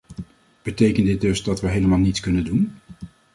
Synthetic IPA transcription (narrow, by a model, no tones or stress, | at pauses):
b̥ətejkəndɪt̚dɵzdɑtʋəɦejləmaːlˠnitskɵnəndun